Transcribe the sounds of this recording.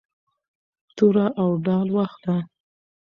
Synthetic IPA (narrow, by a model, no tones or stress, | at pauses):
t̪uɾaʔawɖɑlwaxd̪a